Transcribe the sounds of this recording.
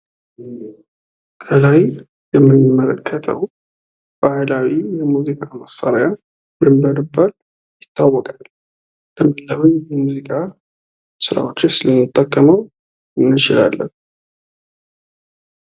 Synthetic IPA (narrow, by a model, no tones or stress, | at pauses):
kʰəlaj | jɛmːɨnɨmːələkʰːət̪ʰə̰w | b̥ahajlawijɛmuzikʼaməsːaɾja | mɨmːəɾɨbːal | jɪt̪ʰːawːɔkʼal | ləmːɨnːəβɨɲjɛmuzikʼa | sɨɾa̰wot͡ʃːɪsɨləmːɨt̪ʼːəkʼːəməw | ɨnːɨt͡ʃɪla̰lːə̰n